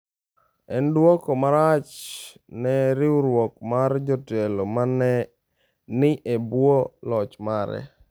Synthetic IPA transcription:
ɛndwɔkomaɾat͡ʃ | nɛɾɪuɾwɔk̚mard͡ʒɔtɛlomanɛ | nɪʔebwolɔt͡ʃmaɾɛ̰

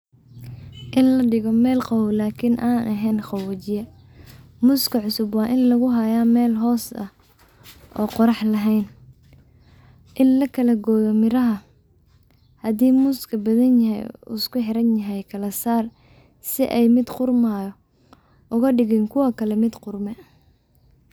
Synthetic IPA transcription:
ʔɪnlɐɖɪɣɔmɛːlqɑwlaːkʰɪnʔaːnʔɐɦɛːnχɑwɐt͡ʃɪjɐ | mʊskʰɐʕʊsʊbwɑːʔɪnlɐɣʊɦɐjaːmɛːlɦɔːsɐ̰ | ʔɔ̰ːqɔɾɑħlɐɦɛjn | ʔɪnlɐkʰɐlɐɡɔːjɔmɪɾɐɦɐ | hɐd̪iːmʊskʰɐbɐðɐnjɐɦɛ̰jʊ̰skʰʊħɪɾɐnjɐɦɛjkʰɐlɐsaːr | sɪʔɛjmɪd̪qʊrmajɔ | ʔʊɣɐɖɪɣɛːnkʰʊwɐkʰɐlɛmɪd̪qʊrmɛ

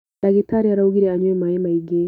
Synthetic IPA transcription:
daɡetaɾiaɾauɡiɾeaɲwemajemaiɡe

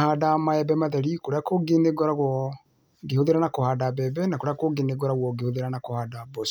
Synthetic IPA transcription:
haːdamaɛbɛmaðɛɾikoɾeakoɡeneɡɔɾaɣwɔ | ɡehoðeɾanakohaːdabɛbɛnakoɾeakoɡeneɡɔɾaɣwɔɡehoðeɾanakohaːdabɔs

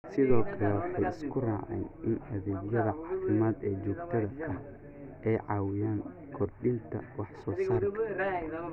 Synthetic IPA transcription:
sɪðɔːkʰɐlɛwɑħɑjɪskʰʊraːʕɛ̰ːnʔɪnɐðɛːɡjɐðɐʕɑːfɪmaːd̪ɛːt͡ʃɔːɡt̪ʰɐðɐɐh | ʔɛjʕɑːwɪjaːŋ | kʰɔrɖɪnt̪ʰɐ̰wɑħsɔːsaːrkʰɐ

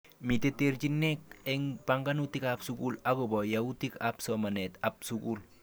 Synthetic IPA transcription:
miteteɾd͡ʒinːek̚ɛŋbaŋɡanutikapsukulaɡobɔjautikapsɔmanɛtap̚sukul

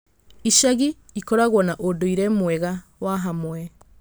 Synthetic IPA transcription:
iʃaɣiː | kɔɾaɣwɔnaʔodoiɾɛmwɛɣawaɦamwɛ

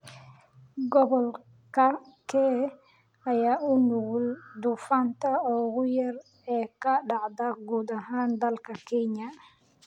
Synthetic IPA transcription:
ɡɔβɔl | kʰɐkʰɛː | ɐjaːʊnʊɣʊld̪ʊfɐnt̪ʰɐɔːɡʊjɐr | ɛːkɐɗɑʕd̪ɐɡuːd̪ɐɦaːnd̪ɐlkʰɐkʰɛɲɐ

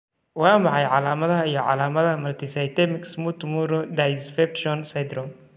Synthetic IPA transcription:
wɑːmɑħɑjʕɑlaːmɐðɐɦɐijɞʕɑ̰laːmɐðɐɐmɐlt̪ʰɪsɐjt̪ɛmɪksmut̪muɾɔd̪ajsfɛpʃɔnsɐjd̪ɾɔm

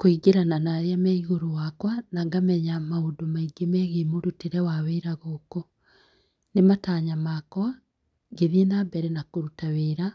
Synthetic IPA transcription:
koiɡeɾananaɾeamɛiɣoɾowakwanaŋɡamɛɲamaodomaiɡemɛɣemoɾuteɾɛwaweɾaɣoːko | nemataːɲamakwa | ɡeðienabɛɾɛnakoɾutaweɾa

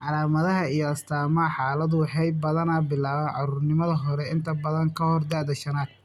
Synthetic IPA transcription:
ʕɑlaːmɐðɐɦɐijɔɐst̪ʰaːmɐħɑːlɐðʊħɛjbɐðɐnaːbɪlaːβɐnʕɑɾuːrnɪmɐðɐɦɔɾɛɪnt̪ʰɐbɐðɐŋkʰɐhɔrd̪aːd̪ɐʃɐnaːd̪̥̚

